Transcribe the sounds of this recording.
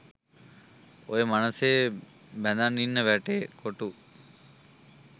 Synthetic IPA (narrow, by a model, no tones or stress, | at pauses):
oemanəseː | bɛnd̪anːinːəʋæʈeːkʰoʈu